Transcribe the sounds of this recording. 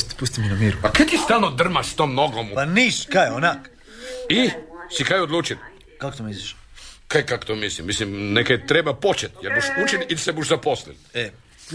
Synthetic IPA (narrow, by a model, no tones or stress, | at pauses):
t̪pust̪iminamiɾuakat̪ist̪aːlˠnod̪r̩maʃst̪oːmnoɡompaniːskajonak | isikajod̪lˠuːt͡ʃil | kako̥t̪omiziʃakajkako̥t̪omislimːislimnekajet̪ɾebapot͡ʃet̪jeɾbuʃut͡ʃililsebuʃzaposlḭle